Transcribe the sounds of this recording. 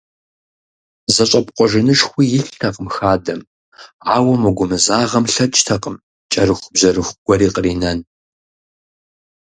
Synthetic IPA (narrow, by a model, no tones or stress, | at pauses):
zɐɕʼɐpqʷʼɔʒɪnɨʂxʷiːjɪɬtʰɐqəmxaːdɐm | aːwɐmɐɡʷʊmɨzaːʁɐmɬɐt͡ʃʼtʰɐqəm | t͡ʃʼɐrɨxʷʊbzɐɾɨxʷɡ̥ʷɔɾiːqəriːnɐn